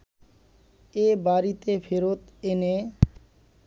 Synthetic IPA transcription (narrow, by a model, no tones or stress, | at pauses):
ebaɾit̪efeɾot̪ene